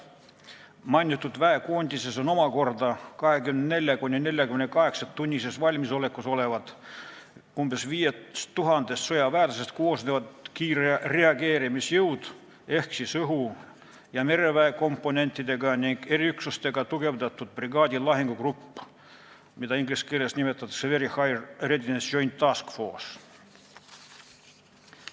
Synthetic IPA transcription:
mɑjnʲːit̪ːˑud̪væekoːnʲd̪iseso̞no̞mɑko̞rd̪ɑkɑɦe̞kymnend̪ne̞lʲjɑkunʲːine̞lʲjɑkymenekɑɦe̞ksɑt̪ːunʲːisesvɑlʲmiso̞le̞kːˑuso̞le̞vɑd̪ | umb̥e̞sviːjesuɦɑnd̪̥est̪so̞jɑvæːt̪ɑsest̪koːsnevɑd̪kiːrereɑɡeːɾimisjɤwd̪̥ | e̞hksisɤɦu | jɑme̞ɾe̞væeko̞mpːˑo̞nʲe̞nʲt̪ːˑid̪e̞ɡɑniŋɡ̥e̞ɾiyksust̪e̞ɡ̥ɑt̪uɡe̞vd̪ɑt̪ːˑud̪̥̚priɡ̥ɑːd̪ʲilɑɦiŋɡukrupː | mid̪ɑiŋɡliskelesnime̞t̪ːˑɑt̪ːˑɑ̥seveɾihɑjrred̪id̪ensʒo̞jnt̪ːɑskfo̞̰ːs

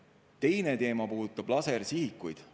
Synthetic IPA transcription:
t̪e̞jne̞t̪e̞ːmɑpuːd̪ut̪ːˑɑb̥lɑsersihikːujd̪̥

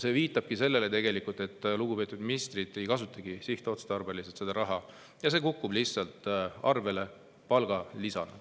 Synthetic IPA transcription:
se̞ːviːt̪ːˑɑb̥̚kise̞lːe̞le̞t̪e̞ɡe̞likult̪ˑe̞t̪ːˑluɡupe̞ːt̪ːˑud̪minist̪rid̪e̞jkɑs̬ut̪ːˑɑɡ̥isiht̪o̞t̪st̪ɑrbeliset̪se̞d̪̥ɑɾɑɦɑ | jɑs̬e̞ːkukːub̥liçsɑlt̪ːˑɑrve̞le̞ | pɑlɡ̥ɑlisɑnɑ̥

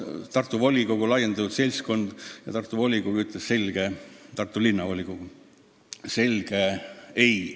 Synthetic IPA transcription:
t̪ɑrt̪ːˑuvo̞lʲiɡo̞ɡ̥ulɑjend̪̥ɑt̪ud̪se̞lʲsko̞nd̪̥jɑ̰t̪ɑrt̪ːˑuvo̞lʲiɡ̥oɡuyt̪lesse̞lʲɡ̥et̪ɑrt̪ːˑulinːɑvolʲiɡ̥oɡ̥u | se̞lʲɡ̥ee̞j

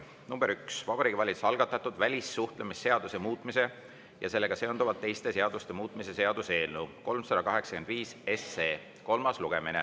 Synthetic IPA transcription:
numb̥eɾyksvɑbɑɾiːɡivɑlʲit̪su̥sɑlɡ̥ɑt̪ːˑɑt̪ːˑud̪vælʲisːuht̪lemisːe̞ɑd̪̥use̞muːt̪ˑmise̞ | jɑ̰se̞lːe̞ɡ̥ɑse̞o̞nd̪uvɑt̪t̪ːe̞jst̪e̞se̞ɑd̪ust̪e̞muːt̪ːˑmise̞se̞ɑd̪̥use̞ːlnuko̞lmsɑd̪̥ɑkɑɦe̞ksɑ̥ke̞nd̪̥viːse̞seː | ko̞lmɑsluɡ̥e̞minḛ

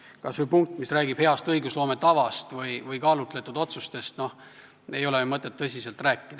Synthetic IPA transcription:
kɑsvujpuŋk̚t̪ːˑmisræːɡib̥heɑst̪ɤjɡuslo̞ːmet̪ɑvɑst̪vɤjvɯjkɑːlut̪ˑle̞t̪ːˑud̪̥o̞t̪sust̪e̞st̪no̞h | e̞jo̞lemɤt̪ːˑet̪ːɤsʲise̞lt̪ræːkːˑid̪ɑ̥

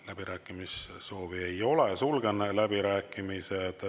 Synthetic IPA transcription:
læb̥iɾæːkːˑimisso̞ːvie̞jo̞lesulɡ̥enelæbiɾæːkːˑimised̪̥

